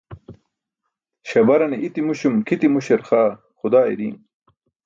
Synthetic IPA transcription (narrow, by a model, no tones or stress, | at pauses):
ɕɐbɐɾɐneʔit̪imuɕumkʰit̪imuɕeɾxaː | xud̪aːḭɾḭːn